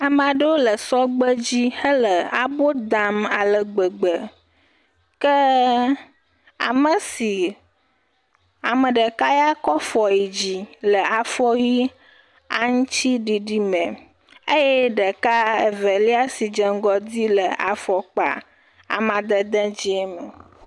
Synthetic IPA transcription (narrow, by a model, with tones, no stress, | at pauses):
a˨mã˨ɖə˦wo˦lə˨sɔ˦ɡ͡bə˦d͡ʑi˦hə˦lə˨a˨bo˦d̪a˨ma˨lə˨ɡ͡bə˨ɡ͡bə˨ | kə˦ | a̰˨mə˨si˨ | a˨mə˨ɖə˨ka˦ja˦kɔ˦fɔ˨ji˨d͡ʑi˦lə˨a˨fɔ˦ji˦ | a̰˦ŋũ˦t͡ɕi˦ɖi˨ɖi˦mɛ̃˨ | e˦jɛ˦ɖə˨ka˦e˨vɛ˨li˦a˦si˨d͡ʒə˨ŋ˦ɡɔ˦di˦lə˨ʔa̰˨fɔ˨k͡pa̰˨ | a̰˨mã˨d̪ə˦d̪ɛ̃˦d͡ʑi˦ɛ˦mə˨